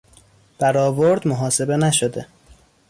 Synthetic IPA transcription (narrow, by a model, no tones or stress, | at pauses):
b̥æɾɒːvoɾd̪moɦɒːse̞be̞næʃod̪e